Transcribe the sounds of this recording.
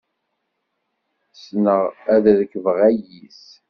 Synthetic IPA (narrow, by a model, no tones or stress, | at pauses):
snəʁæððəkəvəʁæjis